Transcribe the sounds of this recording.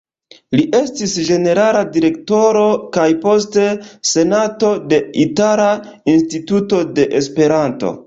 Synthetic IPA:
liʔe̞stisd͡ʒe̞ne̞ɾaladiɾe̞kto̞ɾo̞kajpo̞ste̞se̞nato̞de̞itala | instituto̞de̞ʔespe̞ɾanto̞̰

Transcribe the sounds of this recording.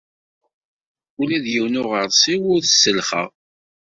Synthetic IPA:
ulæðjiwnʊʁəɾˤsˤiwʊɾθəsːəlχə̰ʁ

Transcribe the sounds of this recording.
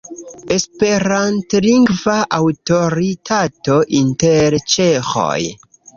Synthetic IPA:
e̞spe̞ɾantliŋɡvaʔawto̞ɾitʰato̞ʔinte̞ɾt͡ʃexo̰j

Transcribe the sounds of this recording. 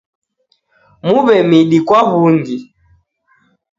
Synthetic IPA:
muβɛmiɗikwaβund͡ʒi

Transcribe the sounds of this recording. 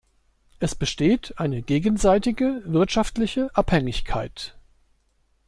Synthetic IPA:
ʔɛsb̥əʃteːtʰʔaɪnəɡeːɡən̩zaɪtɪɡəvɪɐtʃaftlɪçəʔaphɛŋɪçkʰa̰ɪt

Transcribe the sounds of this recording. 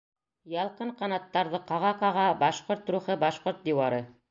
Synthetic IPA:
jɑlˠqɤɴqɑnɑt̪ːɑɾðɤqɑʁɑqɑʁɑbɑʃqoɾt̪ɾuχɤbɑʃqoɾt̪̚d̪iwɑɾɤ

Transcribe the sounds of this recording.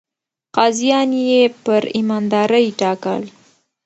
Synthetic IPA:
qɑzijɑnjepəɾimɑnd̪ɑɾəjʈɑkə̰l

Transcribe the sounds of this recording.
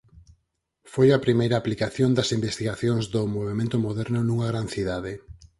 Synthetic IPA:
fojɐpɾimejɾɐːplikaθjond̪ɐsimbest̪iɣaθjoŋzðʊmoβ̞emẽnt̪ʊmoðɛɾnʊnuŋaɣ̞ɾanθiðaðɪ

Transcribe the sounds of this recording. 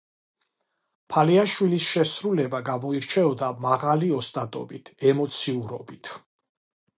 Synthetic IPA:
pʰaliaʃwilisʃɛsɾulɛbaɡamɔiɾt͡ʃʰɛɔd̪amaʁaliɔst̪ʼat̪ʼɔ̰bit̪ʰɛmɔt̪sʰiuɾɔbit̪ʰ

